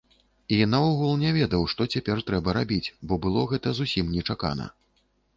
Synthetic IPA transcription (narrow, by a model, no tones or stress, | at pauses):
inaɔɣulˠnʲɛvʲɛd̪ɐwʂt̪ɔt͡sʲapʲɛrt̪ɾɛbɐɾabʲit͡sʲbɔbɨlˠɔɣɛt̪ɐzusʲimnʲɛt͡ʂaka̰nɐ̰